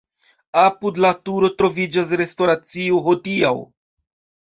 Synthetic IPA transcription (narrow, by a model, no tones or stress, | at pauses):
apudlatuɾo̞tɾo̞vid͡ʒas̬ɾe̞sto̞ɾat͡sioɦodiaw